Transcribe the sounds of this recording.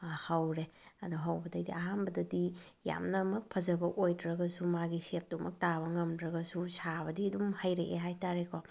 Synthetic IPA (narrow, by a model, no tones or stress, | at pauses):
hɐwɾeɐduɦɐwbɐdɐdiaɦanbɐdɐdija̰mnɐmɐk̚pʰɐzɐbɐʔojdɾɐɡɐsumaɡisep̚dumɐk̚taβɐŋɐmdɾɐɡɐsusabɐdiɐdumhɐjɾeʔeɦajtaɾekʰo